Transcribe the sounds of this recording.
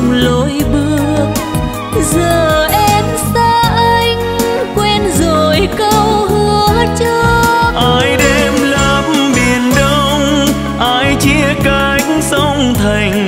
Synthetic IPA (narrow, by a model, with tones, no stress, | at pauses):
lo˨˦jɓɨ˧ə | zəː˨˩ʔɛ˧msaː˧ʔə˧ŋ̟ | kwɛ˧nzo˨˩jkə˧wɦɨ˧˩ət͡ɕɔː˧ʔaː˧jɗe˧mlaː˧˩p̚mɓi˨˩ənɗə˧wŋ͡m | ʔaː˧˥jt͡ɕi˧˥əka˧ksə˧wŋ͡mt̪ʰa˨˩jŋ̟